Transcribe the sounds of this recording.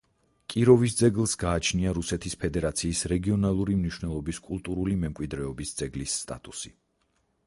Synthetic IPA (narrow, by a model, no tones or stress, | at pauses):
kʼiɾɔvis̬d̪zɛɡlˠsɡaːt͡ʃʰniaɾusɛt̪ʰispʰɛd̪ɛɾat̪sʰiːsɾɛɡiɔnalˠuɾimniʃwnɛlˠɔbiskʼulˠt̪ʼuɾulimɛmkʼwid̪ɾɛɔbisd̪z̥ɛɡlisːt̪ʼa̰t̪ʼusi